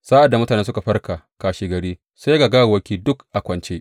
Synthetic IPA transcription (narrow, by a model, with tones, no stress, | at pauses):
sa˦ʔa˨dːa˨mʊ˦taː˨neː˦s̬ʊ˦ka˨ɸɐ˦rka˨ | kaː˨ʃiː˨ɡɐ˨ɽiː˦ | sa˦jɡa˨ɡa˦wa˨wɐ˦kʲiː˦dʊ˦kʔa˨kʷɐ˨nt͡ʃeː˦